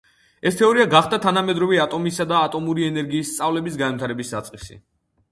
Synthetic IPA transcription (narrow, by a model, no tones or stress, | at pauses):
ɛst̪ʰɛɔɾiaɡaχd̪at̪ʰanamɛd̪ɾɔvɛat̪ʼɔmisad̪aːt̪ʼɔmuɾiɛnɛɾɡiːst̪sʼavlɛbisɡanmt̪ʰaɾɛbisdat̪sʼqʼisḭ